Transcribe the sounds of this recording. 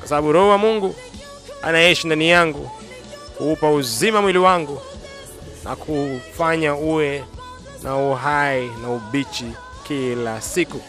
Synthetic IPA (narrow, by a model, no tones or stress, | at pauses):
kwasaɓaɓuɾɔhuwamuŋɡu | a̰naɛʃindanijaŋɡu | kuupauzimamwiliwaŋɡu | na̰kʰufaɲauɛ | nʔauɦainauɓit͡ʃi | kilasiku